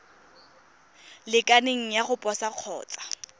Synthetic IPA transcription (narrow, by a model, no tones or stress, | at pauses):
lɪkʼaneŋ̩jaχʊpʼɔsaq͡χʰɔ̰ːt͡sʼḁ